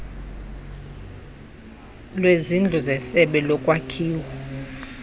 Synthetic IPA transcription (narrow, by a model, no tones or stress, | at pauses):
lwezind͡ɮʱuzɛsɛɓɛlɔkʼwakʰiːwɔ